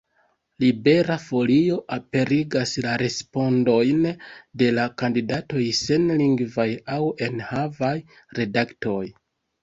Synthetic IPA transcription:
libe̞ɾafo̞lio̞ʔape̞ɾiɡaslaɾe̞spo̞ndo̞jnde̞lakandidato̞jse̞nliŋɡvajawe̞nhavaj | ɾe̞dakto̞j

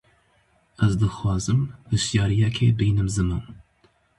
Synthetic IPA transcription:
ɛzd̪ɨxwɑːzɨmhɨʃjɑːɾijɛkʰeːbiːnɨmzɨmɨn

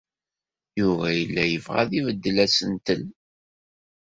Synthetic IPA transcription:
jʊvæjəlːæjəvʁa̰ðivəd̪ːəlæsənt̪əl

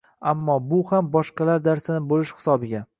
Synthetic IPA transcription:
amːɒbʊhambɒʃqɑlaɾd̪aɾsanɪbolɪʃhɪ̥sɒbɪɡʲa

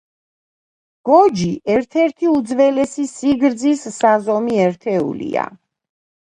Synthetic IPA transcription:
ɡ̥ɔd͡ʒiʔɛɾt̪ʰɛɾt̪ʰiud̪zvɛlɛsisiɡɾd̪zisːazɔmiɛɾt̪ʰɛṵlḭa̰

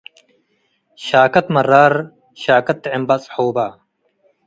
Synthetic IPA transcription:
ɕaːkɐt̪mɐrːaːɾ | ɕaːkɐt̪ːeembɐt͡shoːbaː

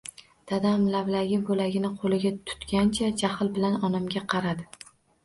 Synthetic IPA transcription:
d̪̥ad̪amlavlaɡʲɪbolaɡʲɪnɪqʰolɪɡʲat̪ʰʊ̥t̪kʲant͡ʃʰad͡ʒahɪlbɪlanɒnamɡʲaqʰɑɾad̪ɪ

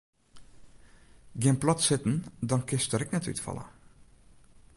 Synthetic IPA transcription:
ɡɪnplɑtsɪtən̩dɑnkɪstəɾɪknɛty̰tfɑ̰lˠə̰

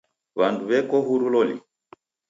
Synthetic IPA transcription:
βanduβɛkɔɦuɾulɔlḭ

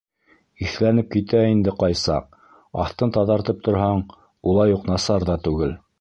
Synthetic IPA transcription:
iθlænɘp̚kit̪æind̪ɘqɑjsɑ̰q̚ | ɑ̰θt̪ɤnt̪ɑðɑɾt̪ɤp̚t̪ŏɾɦɑɴ | ulˠɑjuqnɑsɑɾðɑt̪ʉɡɘl

